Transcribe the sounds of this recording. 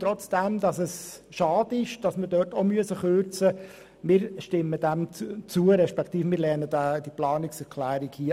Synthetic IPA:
t̪ɾɔt͡sd̥ɛmd̪ɑsɛs | ʃɑːd̪əɪʃd̥ɑsməɾdœːɾtɔmyəsəχøːɾt͡sə | mɪːɾʃtɪmːədæmt͡suəɾɛʃpɛkʰt̪iːfmɪɾlɛnədæd̥iplɑːnɪksɛɾkʰlæːɾikhiː

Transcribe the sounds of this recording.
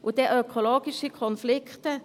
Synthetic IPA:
ʔɔd̪ɛœkʰʊloːɡɪskəkʰʊnflɪkt̪ə

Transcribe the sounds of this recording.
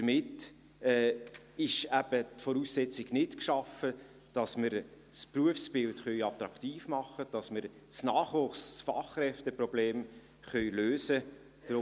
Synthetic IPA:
əmɪt | ɛː | ɪʃæb̥ətfɔɾuːssɛt͡siɡnɪtkʃɑfə | d̥ɑsməɾspruəfsb̥ɪltχœʏɑt̪ɾɑktiːfmɑχəd̥ɑsməɾ | snɑːχʋʊχssfɑχːrɛftəprɔbleːm | χœɥløːsə | d̥ɾʊ

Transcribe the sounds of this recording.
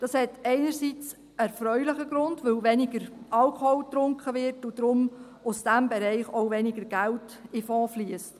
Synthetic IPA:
d̥ɑshɛtɛɪnəɾsit͡s | ɛɾfɾœʏlɪχəɡɾʊndʋɵlʋɛnɪɡəɾʔɑlkʰɔholt̪ɾʊŋkχəʋɪrtʊd̥̪ɾʊm | ʊsd̥æmbɛɾɛɪχowʋɛnɪɡəɾɡ̥ælt | ɪfɔːfliəst

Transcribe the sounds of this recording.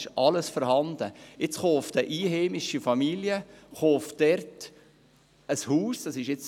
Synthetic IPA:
ʃʔɑləsfɔɾhɑnd̪əɪt͡sχoːftəʔiːheːmɪʃifɑmiljəχoːfd̥ɛɾt | əshuːsd̥ɑsɪʃjɪt͡s

